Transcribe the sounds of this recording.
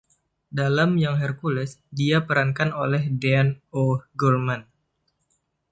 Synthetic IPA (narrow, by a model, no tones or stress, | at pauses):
dalamjaŋɦɛrkulɛsdiapəɾankanolɛhdɛanoɡɔlman